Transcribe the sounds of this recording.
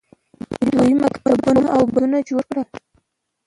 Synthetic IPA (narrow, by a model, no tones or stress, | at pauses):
əd̪ojimakmabanaawbanad͡ʒoɾkɽəl